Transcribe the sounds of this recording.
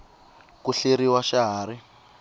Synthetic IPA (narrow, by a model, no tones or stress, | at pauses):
kuɬeɾiwaʃaɦaːɾi